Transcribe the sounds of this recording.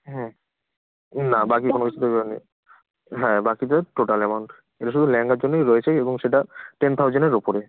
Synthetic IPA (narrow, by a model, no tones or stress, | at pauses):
ɦɛ | nabakikonokit͡ɕʰud̪onḭ | ɦɛbakit̪ʈoʈalɛmawɳʈ | eʈaʃud̪ʱulɛŋɡaɾd͡ʑonːejɾɔet͡ɕʰeeboŋʃeʈaʈent̪ʰawd͡ʑoneɾopoɾe